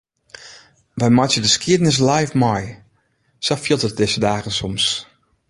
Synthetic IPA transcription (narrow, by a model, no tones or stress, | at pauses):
ʋɛjmɔtjədəskiədənɪs̬lajfmɔj | sɔfilˠtət̚dɪsədaːɣənsɔms